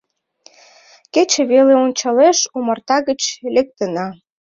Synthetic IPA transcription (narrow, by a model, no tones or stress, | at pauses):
ket͡ɕĕβeleonʲt͡ɕɑleʃumərt̪ɑɣət͡ɕlek̚t̪ənɑ